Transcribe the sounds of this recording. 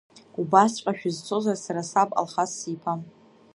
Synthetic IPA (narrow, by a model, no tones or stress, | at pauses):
ubast͡ʃʷʼaʃᶣzt͡sʰo̞zarsaɾasabʼa̰lχasipʰam